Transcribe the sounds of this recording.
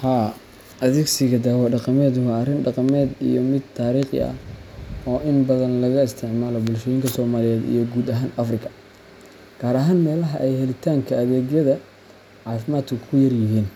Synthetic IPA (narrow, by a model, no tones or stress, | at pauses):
haː | ʔɐðɛɡsɪɣɐd̪aːwɐɖɑqɑmɛːd̪ʊwɐrɪnɖɑqɑmɛːd̪ḭjɔmɪd̪̚t̪ʰːaːɾiːχɪ̰ɐ̰ | ɔːʔɪnbɐðɐnlɐɣɐɪst̪ʰɪʕmaːlɔbʊlʃɔjɪŋkʰɐsɔːmaːlɪjɛːd̪ḭjɞɡuːd̪ɐɦaːnɐfrɪkʰɐ̥ | ɡ̥ʰaːɾɐɦaːnmɛːlɐɦɐʔɛjhɛlɪt̪ʰaːŋkʰɐɐðɛːɣjɐðɐ | ʕɑːfɪmaːd̪kʰʊkʰʊjɐrjɪɦiːn